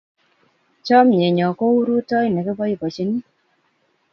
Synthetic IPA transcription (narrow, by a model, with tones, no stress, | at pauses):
t͡ʃɔ˦mjɛ˨ɲɔ˨ko˦u˦ɾu˦tɔ˦i˨nɛ˨kɛ˦bɔ˦ji˨bɔ˨t͡ʃi˦ni˦